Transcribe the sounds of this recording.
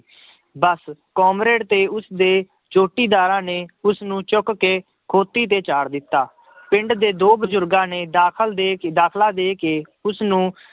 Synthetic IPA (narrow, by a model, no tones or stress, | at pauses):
bəskɔːmɾeːɖt̪eːʊsd̪eː | t͡ʃoːʈiːd̪aːɾãːneːʊsnũːt͡ʃʊkkeː | kʰoːt̪ːiːt̪̬eːt͡ʃaːɽd̪ɪt̪ːaː | pɪ̃ɳɖd̪eːd̪oːbəzʊɾɡãːneːd̪aːkʰəld̪eːkd̪aːkʰlaːd̪eːkeː | ʊsnũː